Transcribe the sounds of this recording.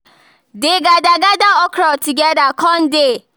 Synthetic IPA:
dɪɡadaɡadaɔkɾɔtiɡɛdakɔn̩dɪ

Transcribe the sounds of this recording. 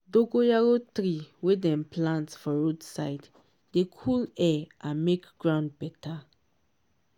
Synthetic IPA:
doɡojaɾotɾiwedɛ̃mplãntsfɔɹodsaɪd | dekʰulɛʔãnmekɡ̥ɹãʊ̃nd̚bɛtʰa

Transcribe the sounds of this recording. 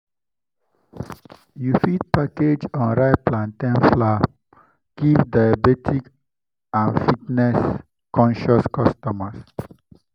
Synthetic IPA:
jufid̚paked͡ʒɔ̃nɹaɪplãntɛ̃nfla | ɡ̥ivdajabɛtʰik | ãnfitnɛs | kɔ̃nʃɔskɔstɔmas

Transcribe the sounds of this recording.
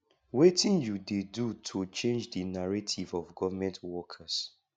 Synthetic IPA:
wetĩnjudedutʰot͡ʃẽnd͡ʒdinaɹatʰivɔvɡɔvamɛ̃ntwɔkʰas

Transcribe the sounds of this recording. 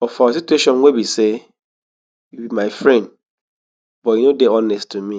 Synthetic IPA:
ɔfasitueʃɔ̃nwebise | jubimaɪfɹɛ̃nd̚ | bɔjinodeɔnɛsttʰːumĩ

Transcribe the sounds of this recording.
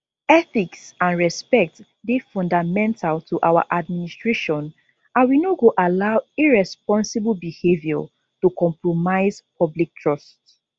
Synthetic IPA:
ɛθiksãnɹɛspɛk̚t | defɔ̃ndamɛ̃ntʰaltʰuʔawa̰ʔad̚ministɹeʃɔ̃n | ãwinoɡoʔalaʊiɹɛspɔ̃nsibəlbihevjɔ̰ | tukɔ̃mpɹomaɪzpʰɔblik̚tʰɹɔst

